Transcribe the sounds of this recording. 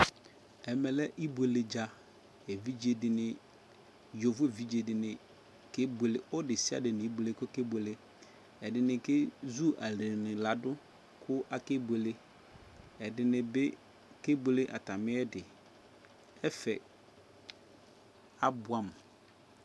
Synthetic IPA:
ɛ˨mɛ˨lɛ˦ʔi˦be˨le˨d͡ʒa˦ | e˨vi˦d͡ʒe˨dɪ˨nɪ̃˨ | jo˨vʊ˦˨vi˦d͡ʒe˨dɪ˨nɪ̃˨ | ke˦be˨le˨ɔ˦dɪ˨si˦a̰˦dɪ˨nɪ̃˨i˦bu˨le˦kʊ˦ke˦be˨le˦ | ɛ˨dɪ˨nɪ̃˨kɪ˦zu˦ʔa˨lɪ˨nɪ̃˨la˨dʊ˦ | kʰʊ˦ʔa˨ke˦bwe˨le˦ | ɛ˨dɪ˨nɪ̃˨bɪ˦ | ke˦be˨le˦ʔa̰˨ta˨mɪ̃˦ɛ˦dɪ˨ | ɛ˦fɛ˨ | a˦bʊ˨a˦˨m˨

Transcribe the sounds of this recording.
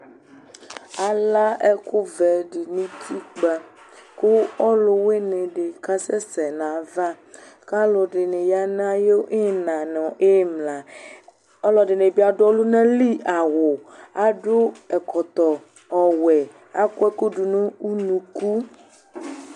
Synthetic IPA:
a˨la˦ɛ˦ko˦vɛ˨ɖi˨nĩ˦t̪ʰi˦k͡pa˨ | ko˦ɔ˦lo˨we˦nẽ˨ɖe˨ka˦sɛ˦sɛ˨nã˨va˦ | ka˦lɔ˨ɖe˨nẽ˨ja˦na˦a˦je˦ʔe˦˨nã˨nɔ̃˨ʔe˦mlã˨ | ɔ˦lɔ˨ɖe˨nẽ˨bi˦a˨ɖɔ˦lu˦nɛ̃˦li˦a˨wo˨a˦ɖo˦ɛ˨kɔ˨t̪ɔ˨ | ɔ˨wɛ˨ | a˦ko˦ɛ˦ku˦ɖu˨nũ˦u˦nũ˨ku˦

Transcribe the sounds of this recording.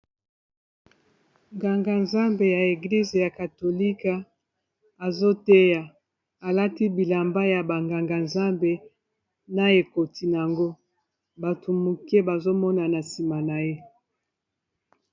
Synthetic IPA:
ŋɡa˨ŋɡa˨nza˦mbe˨ja˨e˨ɡli˦ze˨ja˨ka˨to˨li˦ka˨ | a˨zo˦te˦ja˨ | a˨la˦ti˦bi˨la˨mba˦ja˨ba˨ŋɡa˨ŋɡa˨nza˦mbe˨ | na˨e˨ko˨ti˨na˨a˨ŋɡo˦ | ba˨tʰo˨mu˨ke˦ba˨zo˦mɔ˦na˨na˨si˨ma˨na˨je˦

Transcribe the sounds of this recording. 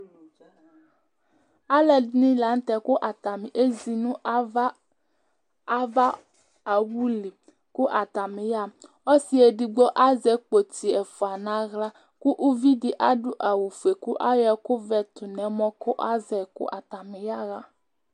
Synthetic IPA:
a˦lɛ˨dnĩ˦la˨n̩˦t̪ɛ˨kʊ˦ʔa˨t̪a˨mĩ˨ʔe˦zi˨nũ˦ | va˦ | a˨wu˦li˨ | kʊ˦ʔa˨t̪a˨mẽ˨ja˦m | o˦si˦e˨di˨ɡ͡bɔ˦ʔa˦zɛ˨k͡po˨ti˨ɛ˨fu˨a˨nã˨˦ɣla˦ | ku˦ʔu˦vi˦dɪ˦ʔa˦ɖʊ˦ʔa˨wu˨fu˨e˨ku˦ʔa˦jɛ˦kʊ˦vɛ˨t̪ʊ˨nɛ̃˨mɔ̃˦kʊ˦ʔa˦zɛ˨kʊ̰˦ʔa˨t̪a˨mĩ˨ja˦ɣa˦

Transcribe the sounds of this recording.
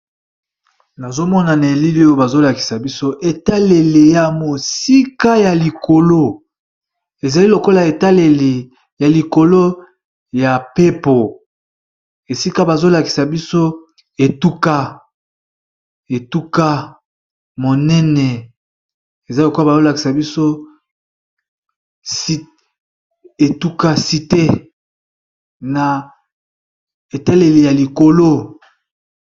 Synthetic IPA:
na˨zo˦mɔ˦na˨ne˨e˨li˦li˦o˦jo˦ba˨zo˦la˨ki̥˨sa˨bi˦so˦ʔe˨ta˦le˨le˨ja˨mo˨si˦ka˦ja˨li˨ko˨lo˦ | e˨za˨li˦lo˨ko˦la˨e˨ta˦le˨le˨ | ja˨li˨ko˨lo˦ | ja˨pe˦po˨ | e˨si˦ka˦ba˨zo˦la˨ki̥˨sa˨bi˦so˦ | e˨tu˦ka˦ | e˨tu˦ka˦ | mo˨nɛ˦nɛ˨ | e˨za˦lo˨ku˦a˦ba˨zo˦la˨ki̥˨sa˨bi˦so˦ | si˦ | e˨tu˦ka˦si˨te˦ | na˨ | e˨ta˦le˨le˨ja˨li˨ko˨lo˦

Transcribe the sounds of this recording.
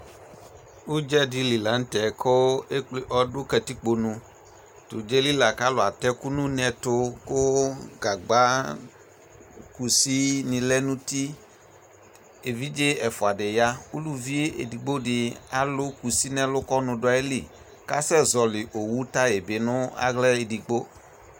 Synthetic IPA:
wu˦d͡ʒɛ˦di˦li˨la˨˦n̩˦t̪ɛ˨kʰɔ˦e˦k͡ple˦ʔɔ˦ɖo˦kɛ˨t̪i˦k͡po˨nũ˦ | t̪o˨d͡ʒe˦li˦la˨ka˦lo˨a˨t̪ɛ˦ku˦nũ˦nɛ̃˨t̪o˦ko˦ɡa˨ɡ͡ba˦ | ku˨si˦nĩ˨lɛ˦nũ˦t̪i˦ | e˨vi˦d͡ʒe˦ɛ˨fʊ˨a˨ɖɪ˨ja˦wu˦lu˦vi˦e˦ḛ˨di˨ɡ͡bo˦ɖɪ˨a˨lʊ˦ku˨si˦nɛ̃˦lʊ˦kɔ˦nʊ̃˨ɖʊ˦a˨˦e˦li˨ | ka˦sɛ˦zɔ˨lɪ˨ʔo˨wu˦t̪a˦e˨be˨nʊ̃˦a̰˦ɣlɛ˦e˨di˨ɡ͡bo˦

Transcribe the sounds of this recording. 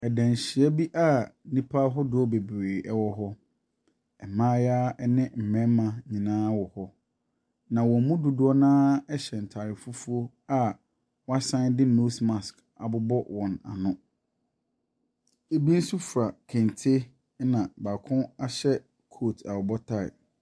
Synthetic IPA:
ɛ˨dæ̃˨n˨ɕɪ˨ɛ˦bi˦ʔa˦˨nĩ˦pʰa˦ɦɔ˦dʊ˦ɔ˦be˨bɾeː˨ʔɛ˦wɔ˦ɦɔ˦ | ɛ˨mãː˦jaː˦ɛ˦nɪ̃˦m̩˨mɛ̃˦mã˨ɲĩ˨nãː˦wɔ˨hɔ˦ | nã˨wɔ̃˨˦mũ˦dʊ˨dʊ˦ɔ˦nãː˦ɛ˦ɕɛ˨n̩˨tʰa˨ɾɪ˨fu˦fu˦o˦ | a˦ | wɔ˦a˦sã˦ndɪ˦no˦sma˨sk | a˨bʊ˦bɔ˦wɔ̃˨na̰˨nʊ̃˦ | e˨bi˦n̩˦su˦fɾa˨kʰɛ̃˨n˨tʰɪ˦ | nã˨ba˨kʰʊ̃˦a˦ɕɛ˦ | kʰo˦˨tʰa˨wɔ˨bɔ˦tʰa˦ɪ̰˨

